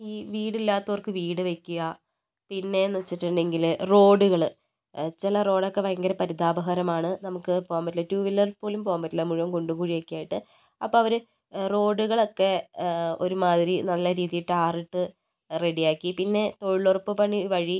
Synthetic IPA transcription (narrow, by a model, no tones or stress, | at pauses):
iːʋiːɽilːaːt̪ːɐʋɐrkɨʋiːɽɨʋekʲːuɣɐ | pinːe̞nːuɐt͡ɕːiʈːuɳɖe̞ŋɡilro̞ːɖuɣɐɭ | t͡ɕilɐro̞ːɽokːe̞ʋɐjŋɡɐɾɐpɐɾid̪aːbɐɦɐɾɐmaːɳɨnɐmukːɨpoːɣɐmbɐtilːɐtjuːʋilːɐlpo̞ːlumpo̞ːɣɐmbɐtːilːɐmuɻuʋɐmkoɳɖukuːɻiʋekʲːujaːjiʈːɨ | ɐpːoːɐʋɐɾɨ | ro̞ːɖuɣɐɭo̞kːe̞o̞ɾumaːðiɾinɐlːɐɾiːðijiʈːɨaːriʈːɨ | re̞ɽijaːkːipinːe̞t̪o̞ɻuɭːorpːɨpɐɳiʋɐɻi